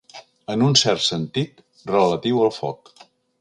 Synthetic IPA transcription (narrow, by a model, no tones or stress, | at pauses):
ənunsɛrt̪sənt̪it̪ | rələt̪iwəlˠfɔ̰k